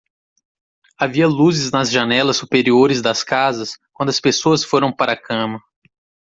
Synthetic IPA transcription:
aviɐluzɪznɐzʒanɛlɐsːupeɾioɾɪzd̪ɐskazɐskwɐ̃nd̪ʊɐspesoɐsfoɾɐ̃w̃paɾɐakɐ̃mɐ

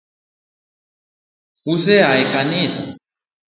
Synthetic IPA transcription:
husɛɦaikanisa̰

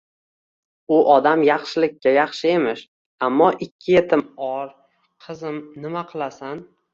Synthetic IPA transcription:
ʊʔɒd̪amjɑχʃɪlɪkʲʰːajɑχʃɪe̞mɪʃ | amːɒʔɪkʲʰːɪjet̪ʰɪmɒɾ | qʰɨzɪmnɪmaqʰɨlˠasan

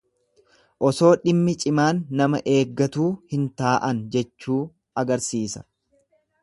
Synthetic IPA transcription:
ʔɔso̞ːᶑɪmːɪt͡ʃʼɪmaːnːɐmɐʔe̞ːɡːɐt̪uːhɪnt̪aːʔɐnd͡ʒɛt͡ʃːuː | ɐɡɐɾsiːsɐ̥̰

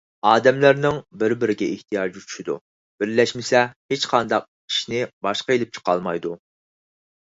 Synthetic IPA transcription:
ɑːd̪ɛmlæɾnɪŋbɪɾbɪɾɪɡʲɛɪht̪ʰijɑːd͡ʒut͡ʃʰy̥ʃid̪ṵ | b̥ɪɾlɛʃmɪsɛhet͡ʃqʰɑnd̪ɑq̚ | i̥ʃnɪbɑʃqɑelɪp̚t͡ʃʰə̥qɑ̰lˠmɑjd̪u

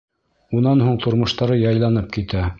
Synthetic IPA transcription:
unɑnhuɴt̪ŏɾmŏʃt̪ɑɾɤjɑjlˠɑnɤp̚kit̪æ

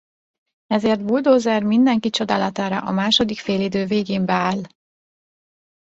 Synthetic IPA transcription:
ɛzeːrt̪̚buld̪oːzɛrmind̪ɛŋkit͡ʃo̞d̪aːlɒt̪aːɾɒ̰ʔɒmaːʃo̞d̪ikfeːlid̪øːveːɡeːmbɛaːl

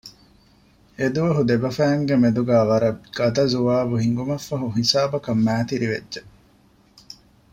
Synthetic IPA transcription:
ed̪uʋɐɦud̪ebɐfæːŋɡemed̪uɡæːʋɐɾɐɡ̥ɐd̪ɐzuʋaːbuɦiŋɡumɐfːɐɦuɦisaːbɐkɐmːæːt̪iɾiʋḛdːʒe

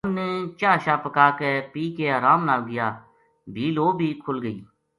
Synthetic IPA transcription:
ənːɛ̃t͡ʃaːʃaːpəkaːkeːpiːkeːəːɾaːmnaːlɡɪjaː | bʱiːloːbʱiːkʰʊlɡəḭː

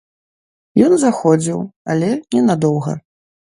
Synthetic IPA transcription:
jɔnzaxɔd͡zʲiwalʲɛnʲɛnad̪ɔwɣɐ̰

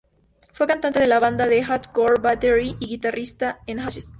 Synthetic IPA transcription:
fwekant̪ant̪e̞ðe̞laβand̪aðexat̪koɾbat̪eɾiʔiɣit̪arist̪aenxat͡ʃes

